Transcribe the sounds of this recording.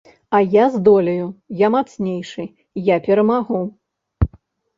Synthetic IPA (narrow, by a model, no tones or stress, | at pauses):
ɐjazd̪ɔlʲɐjujamat̪snʲejʂɨ | japʲɛɾɐmaɣu